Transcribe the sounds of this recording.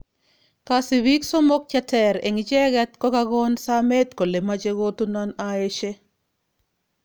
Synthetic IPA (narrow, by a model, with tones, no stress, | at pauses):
ka˨sɪ˨wi˦kso˦mo˦k̚t͡ʃa˦tʰɛ˦ɾḛ˨ŋit͡ʃɛ˦ɣɛ˦t̪kɔ˦ka˦ɣɔ˦nsa˦me˦t̪ko˨le˨ma˦t͡ʃe˦ɣo˦t̪u˦na˦nae˦ʃe˦